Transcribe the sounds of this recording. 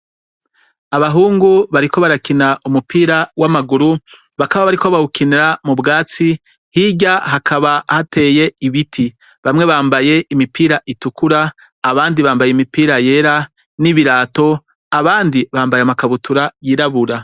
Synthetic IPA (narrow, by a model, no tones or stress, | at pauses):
aβaɦuːŋɡuβaɾiko̞βaɾakinaʔumupʰiːɾawamaɡuɾu | βakaβaβaɾikoβaukiniɾamubɡaːt͡si | hiɟaɦakʰaβahate̞ːje̞iβitʰi | βamŋe̞βaːmbaje̞ʔimipiːɾaʔitukuɾaː | βaːndiβaːmbajemipiːɾaje̞ɾa | niβiɾaːto̞ | aβaːndiβaːmbajamakaβutuɾajiɾaβuɾa